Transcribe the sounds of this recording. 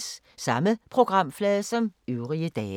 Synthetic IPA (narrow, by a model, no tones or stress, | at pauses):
s | sɑ̈məpʰʁo̝ɡ̥ʁɑ̈m̰flɛːðˠsɒ̽møʊʁiəd̥ɛː